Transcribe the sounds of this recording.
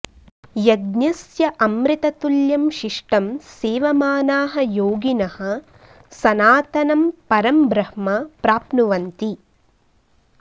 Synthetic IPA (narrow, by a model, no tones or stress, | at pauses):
jɐɡnɐsjɐʔɐmɾit̪ɐt̪uljɐmʃiʂʈɐmseːʋɐmaːnaːɦɐ̆joːɡinɐhɐ̆ | sɐnaːt̪ɐnɐmpɐɾɐmbɾɐhmɐpɾaːpnuʋɐnt̪i